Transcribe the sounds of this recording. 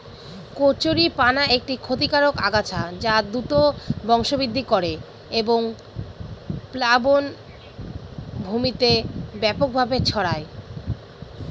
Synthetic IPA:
koɾt͡ɕoɾipanaek̚ʈikʰot̪ikaɾokaɡat͡ɕʰad͡ʑad̪ut̪obɔŋʃobid̪ʱːikoɾe | eboŋ | plabon | bʱumit̪ebɛpok̚bʱabet͡ɕʰɔɽae

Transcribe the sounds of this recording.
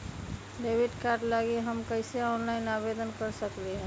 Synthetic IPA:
ɖebiɖkaɾʈlaɡiɦəmkəɪseɔnlaɪnabed̪ənkəɾsəklɛɦɛ̃

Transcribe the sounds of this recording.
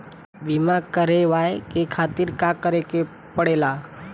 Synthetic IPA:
ʋimakəɾeʋaekekʰat̪iɾkakəɾeke | pəɽela

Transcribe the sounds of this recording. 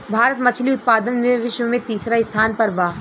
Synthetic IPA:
bʱaːɾət̪mɐt͡ʃʰliʊt̪̚paːd̪ənmẽʋɪʃwəmẽt̪iːsɾaɪst̪ʰaːnpɐɾbaː

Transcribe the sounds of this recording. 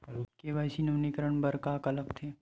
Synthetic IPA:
keʋaːjsinɐʋnikəɾəɳ̃bəɾkaːkɐləɡt̪ʰeː

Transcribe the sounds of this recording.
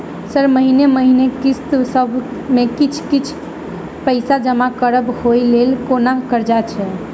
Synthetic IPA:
səɾməɦineməɦinekist̪səbʱmekit͡ʃʰkit͡ʃʰ | pəɪsad͡ʒəmakəɾəbhojlelkonakəɾd͡ʒat͡ʃʰɛ

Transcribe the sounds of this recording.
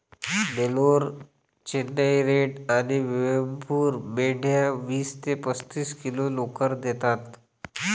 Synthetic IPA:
meloɾ | t͡ɕenːəjɾeʈaniʋeʋəmpuːɾmeɽ̤jaʋiːst̪epəst̪iːskilolokəɾd̪et̪at̪

